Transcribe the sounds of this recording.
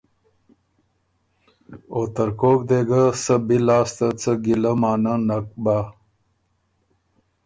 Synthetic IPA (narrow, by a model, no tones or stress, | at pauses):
oːt̪əɾkokd̪eɡəsəbilɑːst̪ət͡səɡiləmɑːnənak̚ba